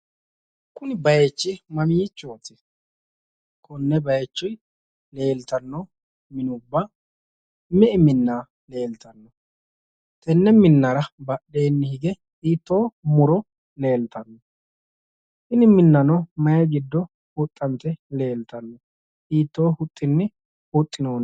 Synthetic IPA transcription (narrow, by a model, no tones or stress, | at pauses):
kʊnɪbɐjet͡ʃːɪmɐmiːt͡ʃːoːt̪ːɪ | kʰɔnːɛbɐjt͡ʃːʊj | le̞ːlt̪ɐnːɔ | mɪnʊbːa | mɛʔɪmɪnːaː | le̞ːlt̪ɐnːɔ | t̪ɛnːɛmɪnːɐɾɐbɐɗe̞ːnːɪhɪɡɛ | iːt̪ːo̞ːmʊɾɔ | le̞ːlt̪ɐnːɔ | ʔɪnɪmɪnːɐnɔmɐjɐɡɪd̪ːɔ | hʊt̪ʼːɐnt̪ɛle̞ːlt̪ɐnːɔ | ʔiːt̪ːoːhʊt̪ʼːɪnːɪ | hʊt̪ʼːɪnoːn